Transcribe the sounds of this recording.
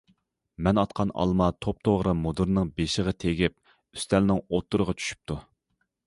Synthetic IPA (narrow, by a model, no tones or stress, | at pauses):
mɛnɑt̪qʰɑnɑ̰lˠmɑt̪ʰop̚t̪ʰoʁɾɨmod̪uɾnɨŋbeʃɪʁɑt̪ʰeɡʲip̚ | y̥st̪ʰɛlnɪŋot̪ʰːuɾəʁɑt͡ʃʰy̥ʃy̥p̚t̪ʰu